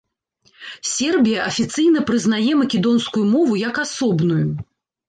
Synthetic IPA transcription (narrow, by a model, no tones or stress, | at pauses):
sʲɛrbʲijɐʔɐfʲit̪sɨjnɐpɾɨznajɛmɐkʲɛd̪ɔnskujumɔvujɐkasɔbnuju